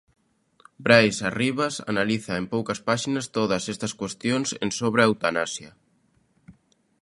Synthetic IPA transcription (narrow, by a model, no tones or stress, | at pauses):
bɾajsariβ̞asa̰naliθaempowkɐspaʃinɐst̪oðɐsest̪ɐskwest̪jonsḛnsoβɾeawt̪anasja